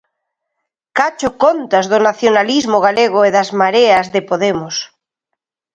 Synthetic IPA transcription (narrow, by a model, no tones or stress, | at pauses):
kat͡ʃokont̪azðonaθjonalizmoɣaleɣ̞oeðazmaɾeazðepoðemos